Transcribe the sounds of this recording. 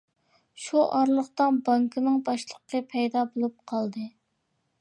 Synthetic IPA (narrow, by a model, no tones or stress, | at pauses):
ʃuʔɑɾlˠəχt̪ɑnbɑŋkʰɨnɨŋbɑʃlˠəqːəpʰɛjd̪ɑbolˠup̚qʰɑlˠd̪ɨ